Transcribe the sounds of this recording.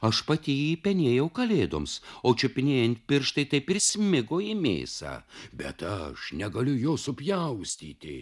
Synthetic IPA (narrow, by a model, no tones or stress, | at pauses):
ɐʃpɐt̪ʲiːjipʲɛnʲeːjɛʊkɐlʲeːd̪o̰ːmsoːt͡ʃʲʊpʲɪnʲeːjɛnt̪̚ʲpʲɪɾʃt̪ɐɪt̪ɐɪpɪɾsʲmʲɪɡoːjimʲḛːsɑ̰ːbʲɛt̪ɐʃnʲɛɡɐlʲʊjoːsʊpʲjɛʊsʲt̪ʲḭːt̪ʲɪ̰